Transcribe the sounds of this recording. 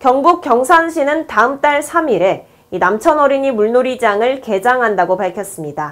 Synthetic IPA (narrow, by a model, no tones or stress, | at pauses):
kjʌŋɡuk͈̚jʌŋsʰanɕʰinɯntaɯmt͈aɭsʰamiɾe̞ | inamt͡ɕʰʌnʌɾiɲimuɭnoɾid͡ʑaŋɯɭke̞d͡ʑaŋɦandaɡopaɭkʰjʌs͈ɯmɲida